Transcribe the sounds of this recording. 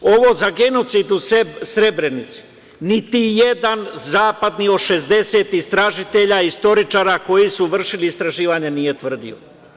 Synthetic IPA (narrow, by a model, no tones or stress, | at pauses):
o̞ʋo̞zaɡe̞no̞t̪sid̪ussɾe̞bɾenit̪su̥ | nit̪ijed̪anzaːpad̪nio̞ʃe̞zd̪e̞se̞t̪ist̪ɾaʒit̪e̞ʎaist̪o̞ɾit͡ʃaːɾako̞jisuʋr̩ʃiliːst̪ɾaʒiːʋaɲenije̞t̪ʋr̩d̪ḭo̰